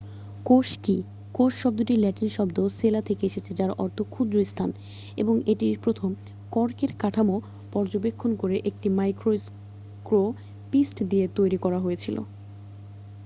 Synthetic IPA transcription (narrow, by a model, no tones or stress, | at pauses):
koʃki | koʃʃɔb̚d̪oʈilɛʈinʃɔbd̪oselat̪ʰekeeʃet͡ɕʰed͡ʑaɾɔ̰ɾt̪ʰokʰud̪ɾoist̪ʰan | ḛboŋeʈiɾpɾot̪ʰom | kɔɾkeɾkaʈʰamo | pɔɾd͡ʑobekʰːonkoɾeʔek̚ʈimajkɾos | kɾo | pisʈd̪iet̪ojɾikɔɾaɦojet͡ɕʰilo̰